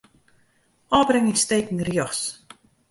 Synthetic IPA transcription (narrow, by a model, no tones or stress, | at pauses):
ɔːbrɪŋinsteːkŋ̩rjɔχs